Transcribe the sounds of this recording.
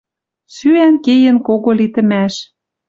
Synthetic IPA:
syænkejə̆nkoɣolit̪ə̆mæʃ

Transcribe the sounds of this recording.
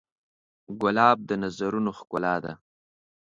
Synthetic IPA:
ɡʊlɑːb̚d̪ənazaɾunoxkʊlɑd̪a̰

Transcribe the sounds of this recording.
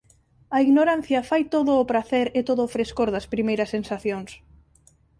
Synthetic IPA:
ɐiɣnoɾan̟θjɐfajt̪oðʊːpɾaθɛɾɪt̪oðʊfɾeskoɾðɐspɾimejɾɐsːensaθjoŋs

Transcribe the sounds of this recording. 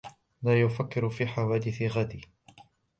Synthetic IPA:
laːjʊfakːɪɾʊfiːħawaːd̪ɪθɪɣad̪ɪː

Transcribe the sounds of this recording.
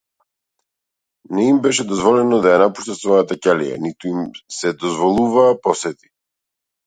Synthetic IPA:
nɛimbɛʃɛd̪ɔzvɔlɛnɔd̪ajanapu̥ʃt̪asvɔjat̪acalija̰nit̪uimsɛd̪ɔzvɔlˠuvaːpɔsɛt̪i̥

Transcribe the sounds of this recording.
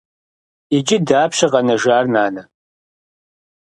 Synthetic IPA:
id͡ʒɪdaːpʰɕɐʁɐnɐʒaːrnaːnɐ

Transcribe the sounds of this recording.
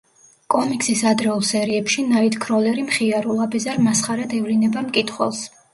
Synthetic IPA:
kʼɔmikʼsisad̪ɾɛulˠsɛɾiɛpʃinait̪ʰkʰɾɔlɛɾimχiaɾulˠabɛzaɾmasχaɾad̪ɛvlinɛbamkʼit̪ʰχwɛ̰lˠs

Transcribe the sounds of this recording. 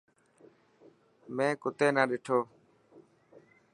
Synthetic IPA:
mẽːkʊt̪eːnaːɗɪʈʰoː

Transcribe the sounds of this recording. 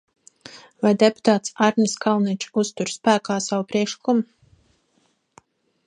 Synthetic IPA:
vajd̪epu̥t̪aːt̪saɾnʲiskʰalnit͡ʃust̪uɾspæːkaːsawpɾiɛkʃlikum

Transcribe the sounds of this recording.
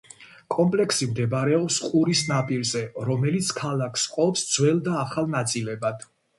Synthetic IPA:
kʼɔmpʼlɛksimd̪ɛbɾɛɔpsqʼuɾisnapʼiɾzɛɾɔmɛlit̪sʰkʰalˠakʰsqʼɔpsd̪zwɛlˠd̪aːχalˠnat̪sʼilɛbad̪̥

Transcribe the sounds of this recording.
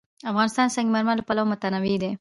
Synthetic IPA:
afɣɑnɪst̪ɑnsaŋɡimaɾmaləpalawomʊt̪anawid̪e

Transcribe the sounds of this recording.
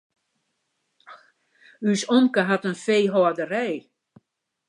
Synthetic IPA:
ysɔŋkəɦatənfeːɦɔədərɛj

